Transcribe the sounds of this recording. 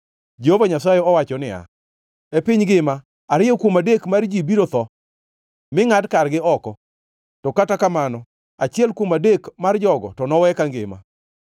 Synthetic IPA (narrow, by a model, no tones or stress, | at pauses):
d͡ʒehovaɲasajɛɔwat͡ʃɔnɪa̰ | epɪɲɡɪma | aɾɪjɔkwomadekmard͡ʒibiɾot̪ɔ | mɪŋadkarɡɪɔkɔ | tɔkatakamanɔ | at͡ʃɪɛlkwomadekmard͡ʒɔɡɔ̰tɔnɔwɛkaŋɡɪma̰